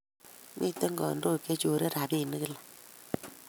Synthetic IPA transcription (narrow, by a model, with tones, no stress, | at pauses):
mʔḭ˦te˦ŋɡɔ̰˨ndo˦˨ke˦t͡ʃo˨ɾe˦ɾa˨bi˦˨nɨ˦kɨ˦la˨